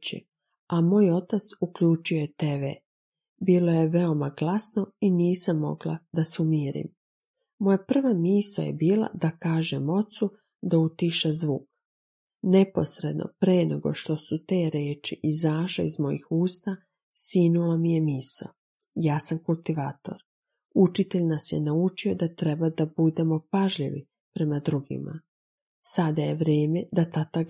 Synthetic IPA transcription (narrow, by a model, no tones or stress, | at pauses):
t͡ɕḭ | amo̞ːjo̞t̪at̪sukʎuːt͡ʃujojet̪eʋḛ | biːlˠo̞je̞ʋeo̞maɡlasno̞iniːsamːo̞̰ɡlˠa̰d̪asumiːɾḭm | mojapr̩ʋamiːsa̰je̞̰biːlˠa̰d̪akaːʒemo̞t̪su | d̪aut̪iʃezʋuːk | ne̞po̞sɾe̞d̪nʔo̞̰pɾenḛɡo̞̰ʃt̪o̞sut̪e̞ːɾeːt͡ʃiʔizaːʃlḛizmo̞jḭxuːst̪a | siːnulamijemiːso̰ | jaːsamkulˠt̪iʋaːt̪o̞̰ɾ | ut͡ʃit̪eʎnasjenaut͡ʃio̞d̪at̪ɾe̞bad̪abud̪e̞mo̞paʒʎiʋi | pɾe̞mad̪ɾuɡḭma̰ | sad̪aje̞ʋɾeːmed̪at̪at̪aɡ